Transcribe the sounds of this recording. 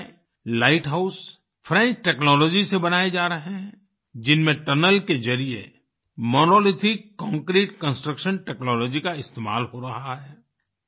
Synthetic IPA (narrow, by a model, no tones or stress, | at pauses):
laːɪʈɦaʊs | fʰɾɛ̃ːnt͡ʃʈɛːknɔːlɔːd͡ʒisebɐnaːed͡ʒaːɾɐɦeɦɛ̃ | d͡ʒɪnmẽʈɐnəlkezɐɾiḛ | mɔːnoːlɪtʰɪkːɔ̃ːŋkɾiːʈkə̃nsʈɾəkʃənʈɛːknɔːlɔːd͡ʒikaɪst̪eːma̰ːlɦoɾɐɦaɦɛː